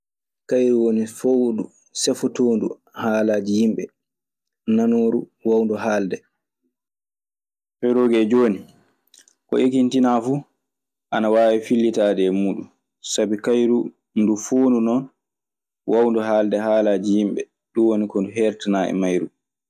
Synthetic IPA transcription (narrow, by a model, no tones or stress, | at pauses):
kajɾuwonifodu | sɛfɔtoːndu | haːlaːd͡ʒijimɓɛ | nanoːɾuwawndɔɦaːldɛ | fɛɾoːɡɛd͡ʒoːni | kɔ̰ʔekintinafu | ʔanawaːwifilːitaːdɛmuːɗun | sabikajɾu | ndufoːndunɔn | wʔawndɔɦaːldɛɦaːlaːd͡ʒijimɓɛ̰ | ɗuwonikɔnduɦɛɾtinaʔɛ̰majɾu